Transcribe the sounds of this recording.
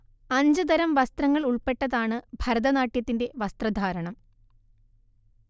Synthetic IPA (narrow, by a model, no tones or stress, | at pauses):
ɐɲd͡ʑɨd̪ɐɾɐmʋɐst̪rɐŋːɐɭuɭpe̞ʈːɐðaːɳɨbʱɐɾɐðɐnaːʈːjɐt̪ːinde̞ʋɐst̪rɐd̪ʱaːɾɐɳɐm